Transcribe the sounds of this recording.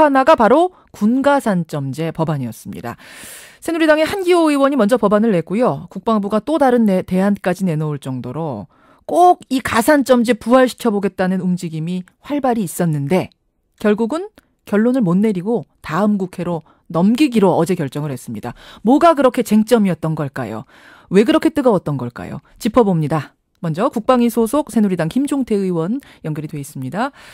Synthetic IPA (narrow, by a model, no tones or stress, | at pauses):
anaɡapaɾo | kunɡasʰant͡ɕ͈ʌmd͡ʑe̞pʌbaɲiʌs͈ɯmɲḭda̰sʰenuɾidaŋe̞hanɡioiwʌɲimʌnd͡ʑʌpʌbanɯɭːe̞k͈ujokuk̚p͈aŋbuɡat͈odaɾɯnːte̞ɦank͈ad͡ʑine̞nʌuɭt͡ɕ͈ʌŋdoɾo | k͈oɡikasʰant͡ɕ͈ʌmd͡ʑe̞puɦaɭɕʰi̥kʰjʌboɡe̞t̚t͈anɯnumd͡ʑiɡimi | ɸwaɭbaɾiːs͈ʌnːɯnde̞ | kjʌɭɡuɡɯn | kjʌɭːonɯɭmonːe̞ɾiɡotaɯmɡukʰe̞ɾo | nʌmɡiɡiɾoʌd͡ʑe̞kjʌɭt͡ɕ͈ʌŋɯɭhes͈ɯmɲidamwʌɡakɯɾʌkʰe̞t͡ɕe̞ŋt͡ɕ͈ʌmiʌt̚t͈ʌnɡʌɭk͈a̰jo̰ | we̞kɯɾʌkʰe̞t͈ɯɡʌwʌt̚t͈ʌnɡʌɭk͈a̰jo̰ | t͡ɕipʰʌbomɲida | mʌnd͡ʑʌkuk̚p͈aŋisʰosʰok̚sʰe̞nuɾidaŋçimd͡ʑoŋtʰe̞ɯiwʌn | jʌŋɡjʌɾidwe̞is͈ɯmɲida